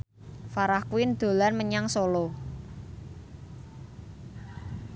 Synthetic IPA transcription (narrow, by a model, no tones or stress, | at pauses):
faɾahkwɪnd̪̥o̤larməɲaŋsɔlɔ